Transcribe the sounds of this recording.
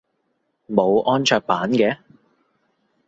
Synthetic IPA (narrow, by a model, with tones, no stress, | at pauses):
mo˨˧wʔɔː˥nt͡ʃʰœː˧k̚paː˨˥nkɛː˨˧